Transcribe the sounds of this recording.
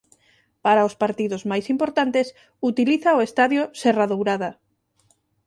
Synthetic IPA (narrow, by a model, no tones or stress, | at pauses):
paɾaʊspaɾt̪iðʊzmajsimpoɾt̪ant̪es | ut̪iliθaoest̪aðjoseraðowɾaða